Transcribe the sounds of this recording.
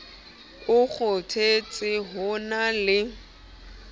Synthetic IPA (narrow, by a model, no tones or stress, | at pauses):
ʊk͡xʰʊtʰet͡sʼɪɦʊnalɪ